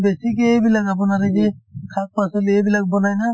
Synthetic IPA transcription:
besik̬ebilakap̬ɔnaɾed͡ʒekʰak̚pasɔlebilak̚bɔnajna

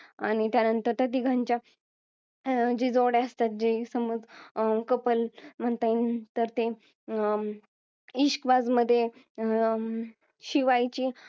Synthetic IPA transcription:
a̰ɽ̃it̪janənt̪əɾt̪ət̪̬iɡʱaɲt͡ɕja | d͡ʑid͡zoɽeəst̪at̪̚d͡ʑisəməd͡zkəpəlm̤əɳt̪aint̪əɾt̪e | iɕkʋad͡zməd̪ʱːje | ɕiʋajt͡ɕiː

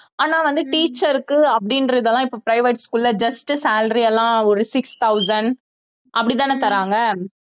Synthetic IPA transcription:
aːnaːʋɐnd̪ɯʈiːt͡ʃːɐɾɯkːɯɐpːɐɽɪnɾɐðɛlːãːɪpːoːpɾɐɪʋeʈskuːlːɐd͡ʒɐsʈɯsaːlɾiɛlːãːɔɾɯsɪkst̪ʰɐʊsɐn | ʔɐpːɐɽit̪aːnet̪ɐɾaːŋɡɐ

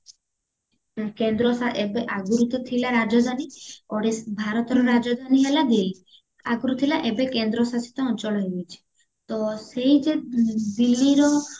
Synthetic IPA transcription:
kend̪ɾɔsaʔebeʔaɡuɾut̪ɔt̪ʰilaɾad͡ʒɔd̪ʱaniɔɽebʱaɾɔt̪ɔɾɔɾad͡ʒɔd̪ʱaniɦelad̪ili | aɡuɾut̪ʰilaʔebekend̪ɾɔsasi̥t̪ɔːnt͡ʃɔɭɔɦebut͡ʃʰi̥ | t̪ɔseid͡ʒed̪ilːiɾɔ

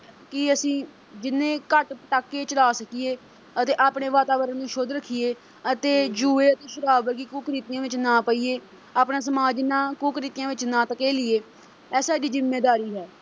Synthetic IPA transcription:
kɪəsĩː | d͡ʒɪnẽːkəʈpəʈaːkːeːt͡ʃəlaːsəkɪeː | ət̪eːʔaːpɳeːʋaːt̪aːʋəɾənnũːʃoːd̪ɾəkʰːieː | ət̪eːd͡ʒuːeːət̪eːʃəɾaːbəɾɡiːkuːkɾiːt̪ɪjãːʋɪt͡ʃnãːpəiːeː | aːpnãːs̬əmaːd͡ʒnãːkuːkɾiːt̪ɪjãːʋɪt͡ʃnãːt̪əkeːlɪeː | ɛːsaːd͡ʒiːzɪmːeːd̪aːɾiːɦɛː

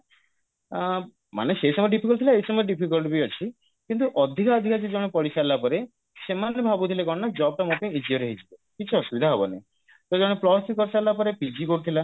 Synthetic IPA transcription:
ma̰nesesɔmɔjɖipʰikɔlt̪ʰilaejsɔmɔjeɖipʰikɔlbiɔt͡ʃʰi | kint̪uʔɔd̪ʱikaɔd̪ʱikad͡ʒed͡ʒɔɽ̃epɔɽisalapɔɾe | semanebʱabut̪ʰilekɔɽnad͡ʒɔb̚ʈamokẽid͡ʒiɔɾeɦid͡ʒʰibekit͡ʃʰuɔʃubid̪ʱaɦɔbɔnḛ | t̪od͡ʒɔɽ̃eplɔsʈikːɔɾsalːapɔɾepid͡ʒikoɽut̪ʰila

